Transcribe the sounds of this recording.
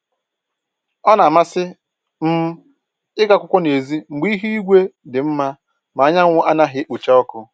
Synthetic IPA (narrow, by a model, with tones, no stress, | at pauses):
ɔ˦na˨ma˦sɪ˦ | m̩˦ | ɪ˦ka˦kʷʊ˦kʷʊ˦ne˨zi˦ŋ͡m̩˨ɡ͡bi˦i˦ɦu˦i˦ɡʷe˦dɪ˨m̩˦ma˦ | ma˨a˦ɲa˦ŋʷʊ˦ʔa˦na˦ɦɪ˦k͡pu˨t͡ʃa˦ɔ˦kʊ˦